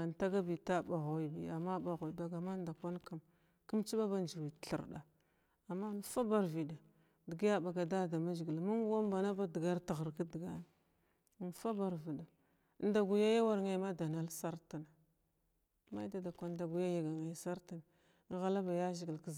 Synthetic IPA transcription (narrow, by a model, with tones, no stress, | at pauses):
a˨n˨ta˦ɡa˦bi˨ta˦ba˨ɣu˨i˨bḭ˨a˨mːa˦ba˨ɣu˨i˨ba˨ɡa˨ma˦nda˨kʷa˦nka˦˨m | ki˦mt͡ʃi˦ba˦ba˦nd͡ʒi˨wi˨tɬḭ˨ɾɗa̰˨ | a˨mːa˦n˦fa˦ba˦ɾvi˨da˨ | di˨ɡi˦ja˦ba˨ɡa˨da˦da˨ma˦ʒi˨ɡi˨lmu˦ŋ˦a˦m˦ba˨na˦ba˦di˨ɡa˦ɾta˨ɣə˨ɾka˦di˨ɡa˦n˨ | n˨fa˦ba˨ɾvi˨da˨˦ | n˦da˨ɡu˨ja˦ja˦wa˦ɾŋe˦ma˦da˨na˦lsa˦ɾta˨na˨ | ma˦jda˨da˨kʷa˦nda˨ɡu˨ja˦ja˨ɡa˨ŋa˦˨sa˦ɾta˨n˨ | ŋ˦ɣa˦la˦ba˨ja˦ʒi˨ɡi˨lki˦z